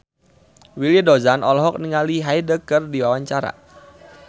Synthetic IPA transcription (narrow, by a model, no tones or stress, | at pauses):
wilidɔzanʔɔlɔɦɔk̚niŋaliɦajdəkərdiwawaɲt͡ʃaɾa̰